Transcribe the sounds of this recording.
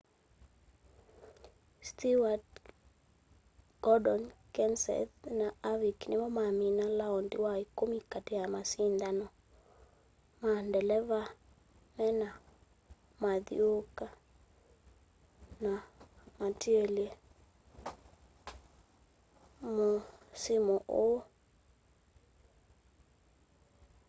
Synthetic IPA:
stiwad | ɡ̥ɔdɔnkɛnsɛ̰ðnaaviknemɔmaminalaɔndḭwaikomikatejamasind̪anɔ | mandɛlɛva | mɛna | maðḭoka | namatieliɛ | mosimɔʔo

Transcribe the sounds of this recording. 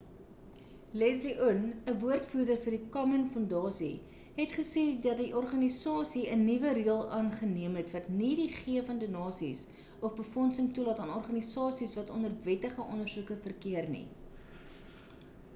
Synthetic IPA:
lɛzliʔunəvuərtfurdərfərdikɑmənfɔndɑːsḭ | ɦɛtχəsɛdɐtdiʔɔrχɐnisɑːsiənivəɾiəlˠɑːnχəniəmɦɛtvɐtnidiχiəfəndənɑːsḭs | ɔfbəfɔnsəŋtulɑːtɑːnɔrχɐnisɑːsisvɐtɔnərvɛtəχəʔɔnərzukəfərkiərnḭ

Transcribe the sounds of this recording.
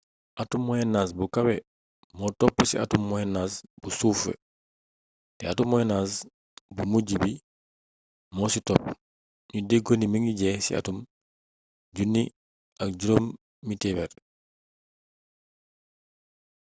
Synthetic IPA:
ʔatumːɔjɛnːaːsbukawe | motopːusiʔa̰tumːɔjɛnːasb̥usuːfḛ | tɛ̰atumːɔjɛnas | bumuɟibi | mɔsitɔpː | ɲudeɡonimiŋɡiɟesḭa̰tum | ɟunːi | ʔak̚ɟuɾomː | itebeɾ

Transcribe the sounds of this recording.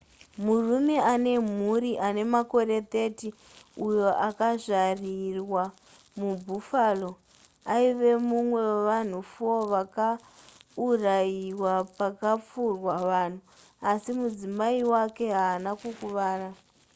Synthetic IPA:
murume̞ane̞m̤uɾiʔane̞mako̞ɾe̞t̪e̞ti | ujo̞ʔakaʐarirwa | mubʱufalo̞ | aiʋe̞mumwe̞ʋan̤ufoʋaka | urajiwapakap͡furwaʋan̤u | asimud͡zimaiwake̞ɦaːnakukuʋaːra

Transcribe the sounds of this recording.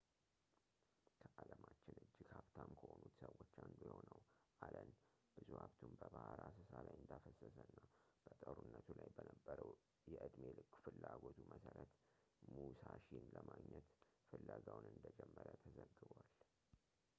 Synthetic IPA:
kʰəʔaləmat͡ʃːɪnɨd͡ʒːɪɡhaβt̪ʰamkʰəho̞nut̪səwːo̞t͡ʃːand̪ujɛho̞nəwʔalən | b̥ɨzuhaβt̪ʰumbəbahaɾasɨsalajɨnd̪afəsːəsənːab̥ət̪ʼəɾunːət̪ʰulajbənəbːəɾəw | jɛʔɨd̪me̞lɨkːfɨlːaɡo̞t̪ʰumʔəsəɾət̪ | musaʃinləmaɡɲɛt̪fɨlːaɡawnɨnd̪əd͡ʒɛmːəɾət̪ʰəzəɡɨβal

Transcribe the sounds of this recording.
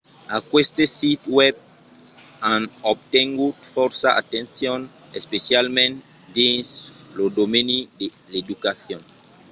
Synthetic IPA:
akwest̪esit̪wɛb̚ | ãnob̚t̪ɛŋɡufɔɾsaʔa̰t̪ẽnsjɔ̃n | espesjalmɛ̃n | dĩnslodomenideledukaθjɔ̃n

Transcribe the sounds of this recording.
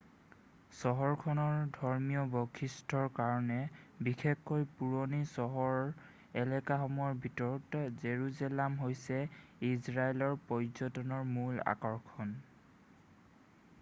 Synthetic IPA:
sɔɦɔɹkʰɔnɔɹdʱɔɹmijɔbɔkʰistʰɔɹkaɹɔnɛbixʰekːojpuɹonisɔɦɔɹ | ɛlɛkaɦɔmɔɹbʱitɔɹɔtzeɹuzɛlamɦojsɛizɹaelɔɹpɔjzɔtɔnɔɹmula̰kɔɹkʰɔn

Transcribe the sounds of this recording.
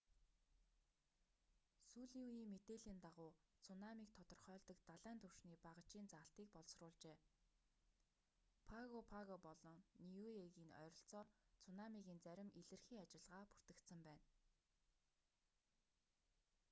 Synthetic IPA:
suːɮiuiːmːet̪eːɮiːnt̪aʁʊːt͡sʰʊnamiːk̚t̪ʰɔt̪ɞ̆rχœːɮt̪ɞ̆kt̪aɮæːnt̪ʰɵw̥ʃniːpaʁə̆t͡ɕiːnt͡saːɬt̪iːk̚pɔɮsrʊːɮt͡ɕeː | pʰaɣopʰaɣɔpɔɮɞ̆ŋniueɣiːnœ̰ɾɞ̆ɬt͡sɔːt͡sʰʊnamiɣiːnt͡sæɾʲɪ̆mʔiɮɘ̆rxiːŋat͡ɕɪ̆ɮʁaːpu̥r̥t̪ɘ̆kt̪sə̆mpæːn

